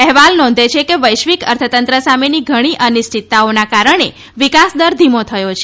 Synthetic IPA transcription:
ɛɦʋalnɔ̃n̆d̪ʱet͡ʃʰekeʋəjʃʋikə̰ɾt̪ʰət̪ənt̪ɾəsameniɡʱəɽ̃iʔənɪsʈit̪ːaonakaɾəɳ̃e | ʋikasd̪əɾd̪ʱimot̪ʰəjot͡ʃʰ

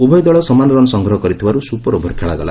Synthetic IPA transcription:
ubʱɔjd̪ɔɭɔsɔmanɔɾɔnɔsɔŋɡɾɔɦɔkɔɾit̪ʰibaɾusupɔɾobʱɔɾkʰeɭaɡɔla̰

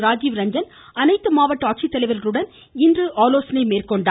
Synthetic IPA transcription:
ɾaːd͡ʒiʋɾɐɲd͡ʒɐn | ɐnɐɪt̪ːɯmaːʋɐʈːaːk̚t͡ʃit̪ːɐlɐɪʋɐɾɣɐɾɯɽɐn | ɪndrɯʔaːloːsɐnɐɪmeːrkɔɳɖa

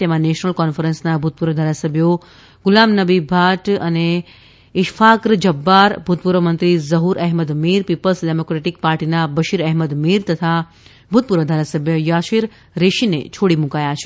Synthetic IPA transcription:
t̪emãneʃnəlkɔnfəɾənsnabʱut̪̚puɾʋəd̪ʱaːɾasəbʱjo | ɡʊlamnəbibʱaʈəne | ɪʃfʰakɾd͡ʒəbːaɾbʱut̪̚puɾʋəmənt̪ɾizəɦuɾʔɛɦməd̪miɾpipəlsɖemokɾeʈik̚paːɾʈinabəʃiɾɛɦməd̪miɾt̪ət̪ʰa | bʱut̪̚puɾʋəd̪ʱaɾasəbʱjəjaʃiɾ | ɾeʃinḛt͡ʃʰoɽimʊ̃kajat͡ʃʰe

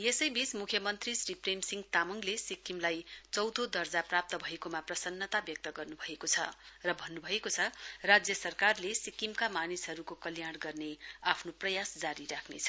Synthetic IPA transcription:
jesʌjbismukʰjʌmʌnt̪risripremsiŋɡt̪amʌŋɡlesikimlajt͡sʌwd̪ʱod̪ʌrd͡zaprap̚t̪ʌbʱʌekomaprʌsʌnːʌt̪abjʌk̚t̪ʌɡʌrnubʱʌekot͡sʰʌ̰rʌbʱʌnːubʱʌekot͡sʰʌrad͡zjʌsʌrkarlesikimkamanisɦʌɾukokʌljaɽ̃ɡʌrneapʰnoprʌjasd͡zaɾiɾakʰnḛt͡sʰʌ̥

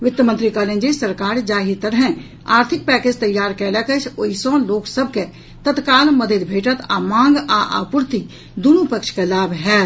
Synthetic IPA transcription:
ʋɪt̪ːəmə̃nt̪ɾikaːlẽːnd͡ʒesɐɾkaːɾd͡ʒaːɦit̪ɐɾɦɛ̃ | a̰ːɾt̪ʰɪk̚pɛːkeːd͡ʒt̪ɐjːaːɾkɛːlɛkət͡ʃʰoisɔ̃ːloːksəb̚ke | t̪ɐt̪kaːlmɐd̪ʱed̪bʱeːʈət̪a̰ːmãːŋɡaʔa̰ːpʊɾt̪i | d̪unupəkʃkelaːbɦɛː

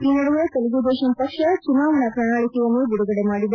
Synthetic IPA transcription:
iːnɐɽuʋɐt̪eluɡud̪ɛːʃɐnpɐkʂɐt͡ʃunːaːʋɐnɐpɾɐɳaːɭikijɐnːuɡ̪uɽuɡɐɽemaːɽid̪ɐ

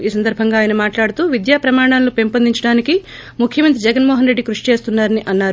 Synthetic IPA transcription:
iːsɐnd̪ɐɾbʱɐŋɡaːjɐnɐmaːʈlaːɽut̪uːʋid̪jaːpɾɐmaːɽaːllupempɐnd̪iɲt͡ʃɐɽaːniki | mukʰjɐmɐnt̪̬ɾid͡ʒɛɡɐnmɔːɦɐnɾe̞ɖːikɾuʂi̥t͡ʃe̞ːst̪unːaːɾɐniʔɐnːaːɾu

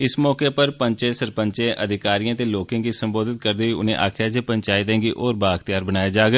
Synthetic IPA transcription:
ɪsmɔːkeːpəɾpəɲt͡ʃẽsəɾpəɲt͡ʃẽːʔəd̪ʱɪkaːɾijãːt̪eːloːkẽːkiːsəmboːd̪ʱɪt̪̚kəɾd̪iːiʊ̰nḛ̃ʔa̰ːkʰjaːd͡ʒeːpəɲt͡ʃaːɪt̪ẽːɡiːʔoːɾbaːkt̪ɪjaːɾbənaːjad͡ʒaːɡ

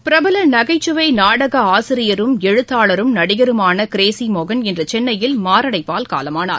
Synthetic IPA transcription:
pɪɾɐbɐlɐnɐɣɐɪt͡ʃːɯʋɐɪnaːɽɐɣɐaːsɪɾɪjɐɾɯmɛɻɯt̪ːaːɭɐɾɯmnɐɽɪɣɐɾɯmaːnɐkɪɾeːsimɔɣɐnɛndrɐt͡ʃɛnːɐjɪlmaːɾɐɽɐɪpːaːlka̰ːlɐmaːna̰ːɾ

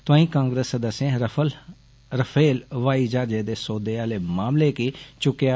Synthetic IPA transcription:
t̪ʊãːĩːkãːŋɡɾeːsəd̪əsːẽːɾəl | ɾəpʰeːlʋaːiːd͡ʒaːɾd͡ʒeːd̪eːsoːd̪eːaːleːmaːmleːkiːt͡ʃʊkjaː

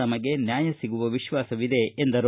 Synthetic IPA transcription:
ɐmɐɡe̞njaːjɐsiɡuʋɐʋiʃʋaːsɐʋid̪e̞ːnd̪ɐɾ

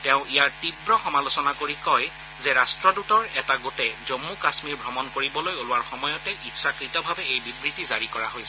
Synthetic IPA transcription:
tɛʊ̃ijaɹtibɹɔxɔmalosɔnakoɹikɔj | zɛɹastɹɔdutɔɹɛtaɡotɛzomːukasmiɹbʱɹɔmɔnkoɹibɔlojolʊwaɹxɔmɔjɔtɛʔitsakɹitɔbʱabɛejbibɹitizaɹikɔɹaɦojsɛ

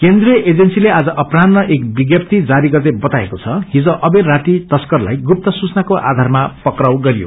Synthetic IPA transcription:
kend̪rijʌʔed͡zensilead͡zʌʔʌprannʌʔekbiɡjʌp̚t̪id͡zaɾiɡʌt̪ebʌt̪aekot͡sʰʌɦid͡zʌ̃ʔʌbeɾaʈit̪ʌskʌrla̰jɡup̚t̪ʌsut͡snakoʔa̰d̪ʱarmapʌkrawɡʌɾijo̰

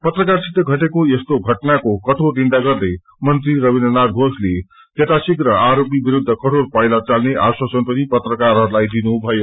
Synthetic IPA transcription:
pʌt̪rʌkarsit̪ːʌɡʱʌʈekoest̪oɡʱʌʈnakokʌʈ̪ʰoriɳɖaɡʌrd̪ʌj | mʌnt̪riɾʌbinʌnad̪ɡʱosle | k̪et̪asikrʌaɾop̬ibiɾud̪ʱːʌkʌʈʰorpajlat͡salneʔaswasʌnpʌnipʌt̪rʌkaɾɦʌɾulajd̪inubʱʌjo

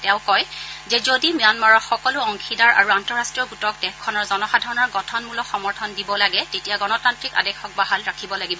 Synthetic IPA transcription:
tɛ̃ʊ̃kɔjzɛzodimjanmaɹɔtxɔkɔlʊɔŋxʰidaɹʔa̰ɹuantɔɹastɹiɔɡutɔk̚dɛkʰːɔnɔɹzɔnɔxadʱaɹɔnɔɹɡɔtʰɔnmulɔxɔmɔɹtʰɔndibɔlaɡɛtetijaɡɔnɔtantɹika̰dɛxɔk̚baɦalɹakʰibɔlaɡibɔ

